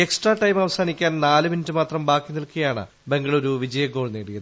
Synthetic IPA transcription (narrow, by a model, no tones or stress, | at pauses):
e̞ksʈraːʈɐjmɐʋɐsaːnikʲːaːnnaːlɨminitːɨmaːt̪rɐmbaːkːinilkijaːɳɨ̰ | be̞ŋɡɐɭo̞ɾuʋid͡ʑɐjɐɡo̞ːɭneːɽijɐðɨɨ